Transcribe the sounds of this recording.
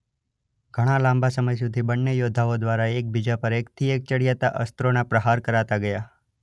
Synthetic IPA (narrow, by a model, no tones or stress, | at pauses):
ɡ̥ʱəɽ̃alãmbasəməjsud̪ʱibənːəjod̪ʱaod̪ʋaɾaek̚bid͡ʒapəɾekt̪ʰiek̚t͡ʃəɽijat̪a̰ʔə̰st̪ɾonapɾəɦaɾkəɾat̪aɡəja